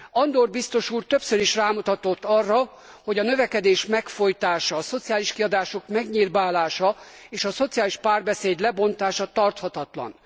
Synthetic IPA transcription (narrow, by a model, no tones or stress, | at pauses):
ɒnd̪orbist̪o̞ʃuːrt̪ø̞psøɾiʃraːmut̪ɒt̪o̞t̪ːɒrːɒ | ho̞ɟɒnø̞vɛkɛd̪eːʃmɛkfo̞jt̪aːʃɒːso̞t̪sijaːliʃkiɒd̪aːʃo̞kmɛɡɲirvaːlaːʃɒ | eːʃɒso̞t̪sijaːliʃpaːrbɛseːd̪lɛbo̞nt̪aːʃɒt̪ɒrt̪hɒt̪ɒt̪lɒ̰n